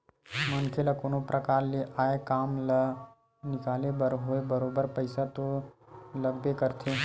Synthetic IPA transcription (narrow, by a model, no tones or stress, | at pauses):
mənkʰelakoːnopɾəkaːɾleʔaːekaːml | nɪkaːlebəɾɦoebəɾoːbəɾpəɪsat̪o | ləɡbekəɾt̪ʰe